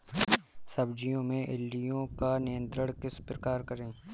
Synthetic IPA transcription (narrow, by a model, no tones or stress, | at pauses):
sɐbd͡ʒijõmẽʔɪlːijõkanɪjə̃nt̪ɾəɽkɪspɾəkaːɾkəɾẽː